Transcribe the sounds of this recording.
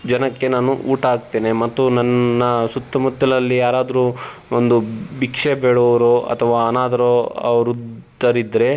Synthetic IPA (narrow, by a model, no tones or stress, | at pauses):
d͡ʒɐnɐkːe̞naːnuʔuːʈɐaːɡ̚t̪eːnemɐt̪ːunɐnːɐsut̪ːɐmut̪ːɐlɐlːijaːɾaːd̪ɐɾu | ond̪ubikʂebeːɽoʋɐɾoɐ̰t̪ʰɐʋaːɐnaːd̪ɐɾoɐ̰ʋɐɾut̪ɐɾid̪ɾe̞